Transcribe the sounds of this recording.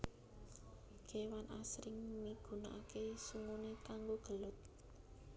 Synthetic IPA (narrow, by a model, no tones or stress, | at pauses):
ɡ̥e̤wanʔasɾɪŋmiɡ̥ṳna̰ʔakesuŋunekaŋɡoɡ̥ə̤lʊt̪̚